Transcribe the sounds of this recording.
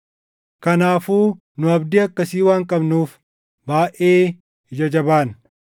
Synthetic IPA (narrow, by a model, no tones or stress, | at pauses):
kɐnaːfuː | nʊɐbd̪ɪɐkːɐsiːwaːŋkʼɐbnuːf | baːʔeː | hɪd͡ʒɐd͡ʒɐbaːn